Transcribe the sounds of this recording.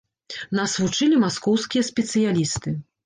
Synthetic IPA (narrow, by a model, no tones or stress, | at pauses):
nasvut͡ʂɨlʲimaskɔwskʲijɐsʲpʲɛt̪sɨjalʲist̪ɨ